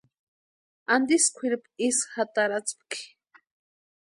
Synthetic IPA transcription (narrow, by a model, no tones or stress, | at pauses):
and̪iskʷʰiɾipisxat̪aɾat͡spki̥